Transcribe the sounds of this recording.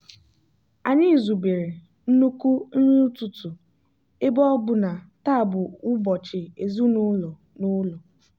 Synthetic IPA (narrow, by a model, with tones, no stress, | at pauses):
a˨ɲɪ˦˨zu˨be˨ɾe˨ | n̩˦nu˦ku˦n̩˦ɲu˦tʊ˨tu˨ | ɪ˦bɔ˦ɡ͡bʊ˨na˨ | ta˦˨bʊ˨ʊ˦bɔ˨t͡ʃɪ˨e˨zu˦nʊ˦lo˨ | nʊ˦lo˨